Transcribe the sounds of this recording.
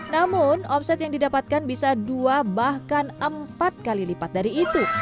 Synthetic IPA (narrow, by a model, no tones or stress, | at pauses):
namʊnɔpsɛt̪jaŋdidapat̪̚kanbisaduabahkanəmpat̪̚kalilipat̪̚daɾiːt̪u